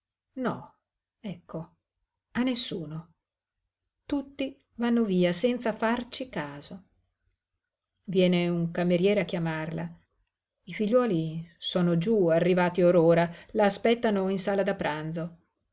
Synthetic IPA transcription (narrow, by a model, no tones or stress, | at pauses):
nɔ̰ | ɛkːo | anːesːuːno | t̪ut̪ːi | vanːoviːasɛnt̪safart͡ʃikaːzo | vjɛːneuŋkameɾjɛːɾeakːjamarla | ifiʎːwɔːlisoːnod͡ʒuarːivaːt̪ioɾoːɾalaːspɛt̪ːanoinsaːlad̪apːɾand̪zo